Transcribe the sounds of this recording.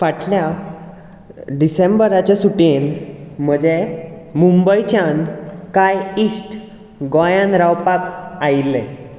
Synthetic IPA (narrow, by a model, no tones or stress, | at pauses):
ʋaʈlja | ɖisembəɾat͡ɕjasuʈenm̤əd͡ʑemumbəjt͡ɕjankajisʈ | ɡajãnɾawpakajlɛ̃